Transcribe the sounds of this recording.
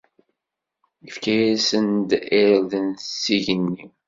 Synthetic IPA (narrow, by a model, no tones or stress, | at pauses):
ifkæjæsənd̪elðənsiʝənːi